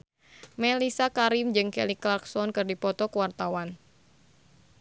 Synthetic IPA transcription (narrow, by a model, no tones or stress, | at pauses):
mɛlisakaɾimd͡ʒɨŋkɛliklaksɔnkɨrdipɔt̪ɔkəwart̪awan